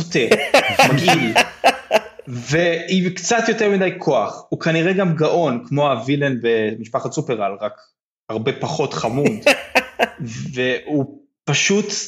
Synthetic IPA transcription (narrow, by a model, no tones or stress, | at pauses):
otevmaɡiil | veikt͡sat̪jo̞temidajkʰo̞aχukaniʁeɡamɡaʔo̞nkmo̞avilenbemiʃpaχasupeʁalʁak | aʁbe̞paχo̞tχamud̪ | veu | paʃut